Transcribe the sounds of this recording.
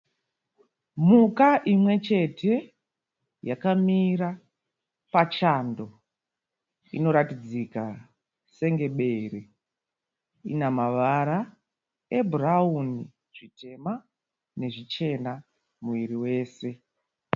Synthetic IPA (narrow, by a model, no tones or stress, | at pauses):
mukaʔimwe̞t͡ʃe̞tʰe̞ | jakamiɾa | pat͡ʃando̞ | ḭno̞ɾatid͡zika | se̞ŋɡe̞ɓe̞re | ḭnamaʋaɾa | eburauni | ʐ̥itʰe̞ma | ne̞ʐit͡ʃe̞na | muʋiɾiwe̞ːse̞